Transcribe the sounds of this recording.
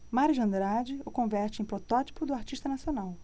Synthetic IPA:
maɾud͡ʒɐ̃nd̪ɾad͡ʒɪʊkõvɛɾt͡ʃɪẽj̃pɾɔt̪ɔt͡ʃi̥pʊd̪ʊaɾt͡ʃiʃt̪ɐnasionaw

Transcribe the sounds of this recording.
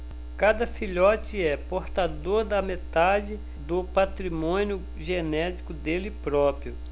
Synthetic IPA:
kad̪ɐfiʎɔt͡ʃɪɛpoɾt̪ad̪oɾd̪ɐmet̪ad͡ʒɪ | d̪ʊpat̪ɾimõnjʊ | ʒenɛt̪i̥kʊd̪elɪpɾɔpɾjʊ

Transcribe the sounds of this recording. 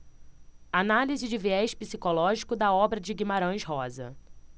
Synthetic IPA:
analizɪd͡ʒɪviɛʃpisikolɔʒikʊd̪ɐɔbɾɐd͡ʒɪɡimaɾɐ̃ʃɦɔzɐ̰

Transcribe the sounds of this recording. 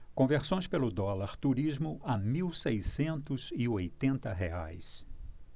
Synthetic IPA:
kõveɾsõj̃spelʊd̪ɔlaɾt̪uɾizmʊʔamiwsejsẽnt̪ʊzɪojt̪ẽnt̪ɐɦḛa̰js

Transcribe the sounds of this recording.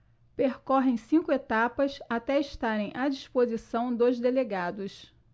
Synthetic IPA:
peɾkɔɦẽj̃sĩŋkʊet̪apɐsat̪ɛiʃt̪aɾẽj̃ʔad͡ʒiʃpozisɐ̃w̃d̪ozd̪eleɡad̪ʊs

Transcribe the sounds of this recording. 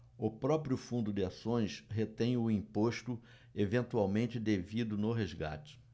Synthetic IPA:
ʊpɾɔpɾiʊfũnd̪ʊd̪ɪasõj̃sɦet̪ẽj̃ʊĩpoʃt̪ʊ | evẽnt̪uawmẽnt͡ʃɪd̪evid̪ʊnʊɦezɡa̰t͡ʃɪ̥

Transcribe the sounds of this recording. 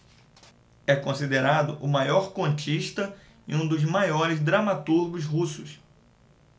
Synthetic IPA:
ɛkõsid̪eɾad̪ʊʔʊmajɔɾkõnt͡ʃiʃt̪ɐ | ḭũd̪ʊzmajɔɾɪzd̪ɾamat̪uɾɡʊzɦusʊs

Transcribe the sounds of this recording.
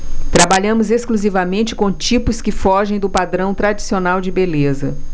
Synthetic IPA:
t̪ɾabaʎɐ̃mʊzeskluzivɐmẽnt͡ʃɪ̥kõt͡ʃipʊskɪfɔʒẽj̃d̪ʊpad̪ɾɐ̃w̃t̪ɾad͡ʒisionawd͡ʒɪbelezɐ

